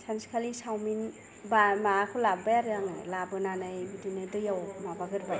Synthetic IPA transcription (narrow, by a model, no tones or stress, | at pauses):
sanskʰalisawmin | bamakʰɔlabbajaɾjaŋɯ̰labɯnanajbidunedɯjawʰmabaɡɯɾba